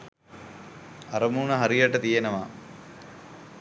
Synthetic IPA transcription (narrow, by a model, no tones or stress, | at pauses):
ɐɾɐmuːɳɐɦɐɾijɐʈːɐt̪ijɐnɐʋaː